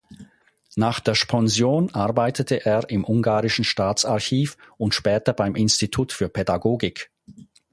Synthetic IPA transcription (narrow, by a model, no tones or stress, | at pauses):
naːχd̥eːɐʃpʰɔnzjoːnʔaʁbaɪtətʰəʔeːɪmʔʊŋɡaːʁɪʃn̩ʃtaːt͡saɐçiːfʊntʃpɛːtɐbaɪmʔɪnstitʰuːtfyːɐpʰɛdaɡoːɡɪk